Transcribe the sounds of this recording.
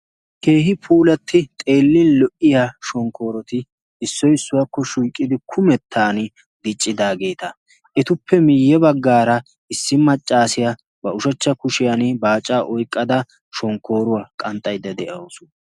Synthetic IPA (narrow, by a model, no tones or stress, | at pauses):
ke̞ːɦɪpʰuːlɐt̪ʰːɪt̪ʼe̞ːlːɪnlɔʔɪjaʃɔŋkːo̞ːɾɔt̪ɪ | ɪsːɔjɪsːʊwɐkːɔʃujkʼːɪd̪ɪkʰʊmɛt̪ʰːaːnɪ | d̪ɪt͡ʃʼːɪd̪aːɡe̞ːt̪ɐ | ʔɛt̪ʊpːɛmɪjːɛbɐɡːaːɾɐ | ɪsːɪmɐt͡ʃʼːaːsɪja | bɐʊʃɐt͡ʃːɐkʊʃɪjanbaːt͡ʃʼːaːʔɔjkʼːɐd̪ɐ | ʃɔŋkːo̞ːɾʊwakʼɐnt̪ʼːɐjd̪ɐd̪ɛʔɐoːsʊ̥